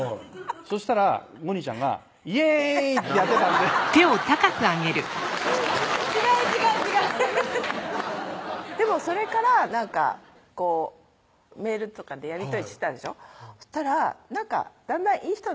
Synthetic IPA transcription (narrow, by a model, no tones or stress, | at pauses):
so̞ɕi̥t̪aɾa | ɡo̞ɲ̟it͡ɕã̰ŋɡa̰ | iet̪ːe̞jat̪ːet̪ãnd̪et̪e̞o̞t̪akakɯ̟aɡe̞ɾɯ̟sot͡ɕiɡait͡ɕikãd͡ʑiɡa | d̪̥e̞mo̞so̞ɾe̞kaɾanãŋka̰ | ko̞ː | me̞ːɾɯ̟t̪o̞kad̪e̞jaɾʲit̪o̞it̪e̥t̪ãnd̪e̞ɕo̞t̪aɾanãŋka̰d̪̥ãnd̪ãʔiːçi̥t̪o